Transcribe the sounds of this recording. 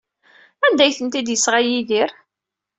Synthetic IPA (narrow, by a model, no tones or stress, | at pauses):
ænd̪æjθənt̪id̪jəsːʁajiðiɾ